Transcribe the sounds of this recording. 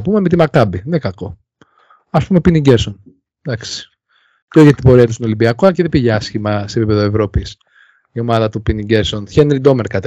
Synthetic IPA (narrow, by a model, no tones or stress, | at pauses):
pumemet̪imɐkɐbinekɐko̞ | ɐspumepiniɟeɾson | d̪ɐksi̥ | ceoçɐt̪ibo̞ɾiɐt̪ust̪inolibiɐkoɐceðepiʝɐɐsçimɐse̞pipeðoevɾo̞pis | io̞mɐðɐt̪upiniɟeɾso̞nçenɾid̪o̞meɾkɐt̪